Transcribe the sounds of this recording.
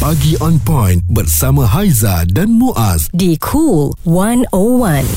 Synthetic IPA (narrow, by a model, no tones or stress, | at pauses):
baɡiɔ̃npɔ̃jnbərsamãɦajzadãnmũʔasdikʰulwãnowãn